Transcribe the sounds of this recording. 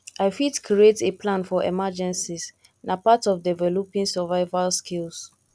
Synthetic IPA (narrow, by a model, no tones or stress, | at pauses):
aɪfitkʰɾieteplãnfɔʔɛ̰mad͡ʒɛ̃nsiz | napatɔfdɛvɛlopĩŋsɛvaɪvalskʰils